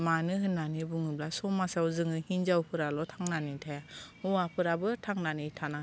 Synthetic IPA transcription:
manɯɦɯnːanibuŋɯblasɔmasawzɯŋɯhinzawpʰɯɾalɔtʰaŋnanitʰajahuapʰɯɾabɯtʰaŋnanitʰana

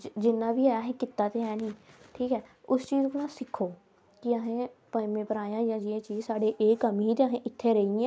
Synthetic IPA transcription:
d͡ʒɪnːãːbiːɛːəɦẽːkɪt̪ːaːt̪eːɛːnĩːʈʰiːkɛːʊst͡ʃiːzkoːnãːsɪkʰːoː | kɪəɦẽːpəmẽːpəɾaːjãːjãːd͡ʒiẽːt͡ʃiːzsaːɽeːʔeːkəmiːt̪eəɦẽːʔɪt̪ʰːeːɾəiẽː

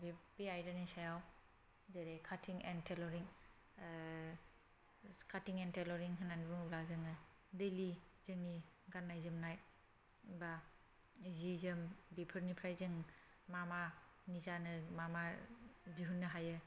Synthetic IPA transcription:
bebiajɾanisajaw | zeɾekʰatʰiŋḛntʰelɔɾiŋ | kʰatiŋentelɔɾiŋɦɯnanibuŋblazɯŋɯ | delizɯŋni | ɡanːajzɯmnaj | ba | zizɯmbipʰɯɾnipʰɾajzɯŋ | mama | nizanɯmamaziɦunːɯɦajɯ

